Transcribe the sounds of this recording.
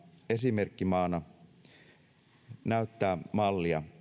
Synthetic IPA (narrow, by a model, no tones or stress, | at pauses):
e̞sime̞rkːimɑːnɑ | næyt̪ːæːmɑlːiɑ